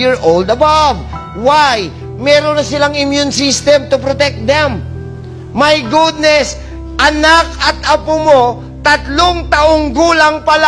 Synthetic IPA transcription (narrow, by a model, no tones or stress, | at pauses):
iɹʔowld̪ɐbav | waj | mɛːɾonɐsɪlaŋɪmjunsist̪ɛmt̪ʊpɾot̪ɛk̚t̪̚d̪ɛmː | ɐjɡud̪̚nɛs | ʔɐnak̚ɐt̪ɐpʊmo̞ | t̪ɐt̪loŋt̪ɐʔoŋɡuːlɐŋpɐla